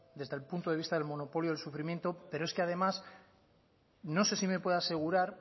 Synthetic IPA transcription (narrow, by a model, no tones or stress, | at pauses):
d̪e̞zðe̞lpunt̪o̞ðeist̪aðe̞lmo̞no̞po̞ljoðelsufɾimje̞nt̪o̞pe̞ɾoe̞skeaðe̞mas | no̞se̞sime̞pwe̞ðoase̞ɣ̞uɾaɾ